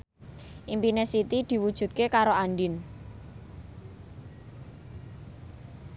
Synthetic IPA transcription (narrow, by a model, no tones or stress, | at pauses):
ʔimpinesit̪id̪̥i̤wud̥ʒ̥ṳt̪̚kekaɾoanɖɪn